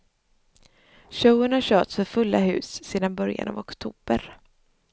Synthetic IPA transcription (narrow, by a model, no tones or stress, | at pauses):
ɕœʊəɳaɕœːʈsfœɾfɵlːaɦʉ̟̰ːsseːd̪anbœɾja̰na̰vɔkt̪ʰuːb̥əɾ